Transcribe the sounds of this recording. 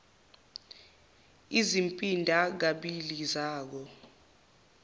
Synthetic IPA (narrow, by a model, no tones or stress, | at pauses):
izimpʼindʱak̬aɓilizaːk̬ɔ